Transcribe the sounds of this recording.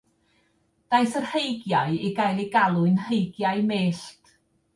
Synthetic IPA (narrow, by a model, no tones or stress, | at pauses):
d̥ajsərhejɡjajiɡajlˠiɡalˠʊɨnhejɡjajmeːɬt